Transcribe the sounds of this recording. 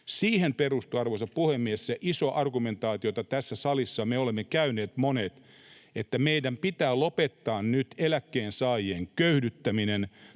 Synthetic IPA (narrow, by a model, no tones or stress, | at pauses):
siːhemperust̪uɑrʋosɑppuhemːiesseʔisoʔɑrɡument̪ɑːt̪iot̪ɑt̪æsːæsɑlisːɑmeolemːekæyneːt̪monet̪ | et̪ːæmeidæmpit̪æːlopet̪ːɑːnnyt̪elækːeːnsɑːjeːŋkøydyt̪ːæminen